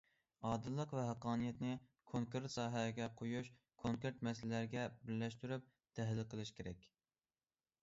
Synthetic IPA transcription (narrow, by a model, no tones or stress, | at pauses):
ɑːd̪ɨlˠːəqvɛɦæqɑːnɨjɛt̪nɪkʰoŋkɾt̪sɑːɦɛɡʲɛqʰojuʃ | kʰoŋkeɾt̪mɛsllæɾɡʲɛbɪɾlɛʃt̪yɾyp̚ | t̪ʰɛɦlɪlqʰəlˠɨʃkʲeɾɛkʲ